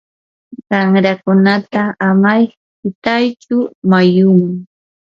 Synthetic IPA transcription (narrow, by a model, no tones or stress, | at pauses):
ɢɑŋɾakʊnat̪aamaj | pɪt̪ajt͡ʃʊmajʊm